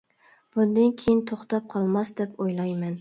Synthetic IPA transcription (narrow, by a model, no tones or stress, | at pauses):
b̥ʊnd̪ankʲʰejɪnt̪ʰoχt̪ɑp̚qʰɑlˠmɑsd̪ɛpojlˠɑjmɛn